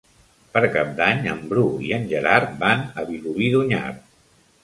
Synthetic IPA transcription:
pəɾkap̚d̪aɲə̰mbɾuḭənʲʒəɾaɾt̪̚banəβiluβiðuɲa̰rt̪̚

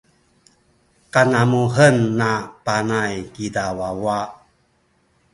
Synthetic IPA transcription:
kanamuɦənːapanajkidawawa

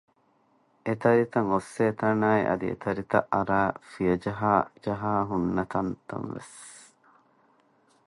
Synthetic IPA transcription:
et̪ɐɾit̪ɐŋosːeːt̪ɐnaːiʔɐ̰d̪ḭḛt̪ɐɾit̪ɐ̰ʔɐɾaːfijɐd͡ʒɐɦaːd͡ʒɐɦaːɦunːɐt̪ɐnt̪ɐ̰nʋḛs

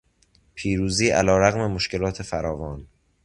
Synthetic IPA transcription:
pʰiːɾuːziːʔæ̰lɒːɾæɣme̞moʃce̞lɒːt̪ʰe̞fæɾɒːvɒːn

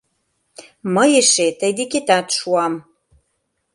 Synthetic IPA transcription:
mə̆jeʃet̪əjd̪eket̪ɑt̪ʃuɑm

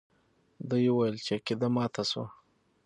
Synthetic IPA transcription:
d̪əjewajəlt͡ʃeked̪amɑt̪ʰaso̰

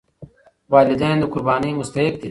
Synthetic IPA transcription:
waːlid̪and̪ukʊɾbaːniːmʊst̪ɐɦik̚d̪i

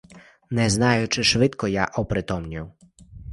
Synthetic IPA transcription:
nɛznɑjʊt͡ʃɪʃʋɪt̪kɔjaʔɔpɾɪt̪ɔmnʲiw

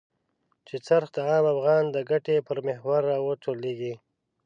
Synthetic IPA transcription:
t͡ʃet͡saɾxd̪əɑːmafɣɑnd̪əɡaʈepəɾmɪhwaɾːɑwəʈoleɡi

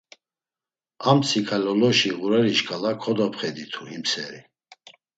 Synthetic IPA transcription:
amt͡sʰikʰalɔlɔʃiɣuɾɛɾiʃkʰʼalakʰɔd̪ɔpχɛd̪it̪ʰuhimsɛɾi

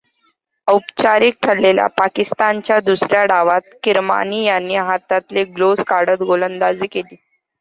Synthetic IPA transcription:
əwpt͡ɕaɾiːk̚ʈʰəlːelja̰pakist̪ant͡ɕjad̪usɾjaɽaʋat̪̚kiɾma̰nijanːiːɦat̪at̪leɡloskaɽət̪ɡolənd̪ad͡ziːkeliː

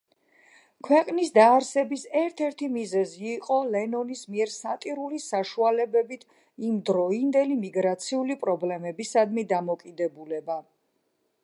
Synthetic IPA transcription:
kʰwɛqʼnisd̪aːɾsɛbisɛɾt̪ʰɛɾt̪ʰimizɛziːqʼɔlɛnɔnismiɛɾsat̪ʼiɾulisaʃualɛbɛbit̪ʰ | imd̪ɾɔind̪ɛlimiɡɾat̪sʰiulipʼɾɔblɛmɛbisad̪mid̪amɔkʼid̪ɛbulɛba

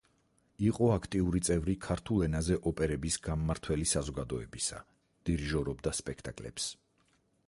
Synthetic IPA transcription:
iqʼɔakʰt̪ʼiuɾit̪sʼɛvɾikʰaɾt̪ʰulˠɛnazɛʔɔpʼɛɾɛbisɡammaɾt̪ʰwɛlisazɔɡad̪ɔɛbisa̰ | d̪̥iɾʒɔɾɔbd̪aspʼɛkʰt̪ʼakʼlɛ̰ps

